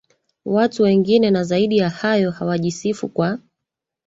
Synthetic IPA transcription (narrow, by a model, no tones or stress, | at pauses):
watuwɛŋɡinɛnazaiɗijahajɔhawaʄisifṵkwa